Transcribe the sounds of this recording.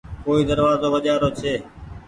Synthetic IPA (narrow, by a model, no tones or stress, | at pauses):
koːiːd̪əɾʋaːzoːʋəʄaːɾoːt͡ʃʰeː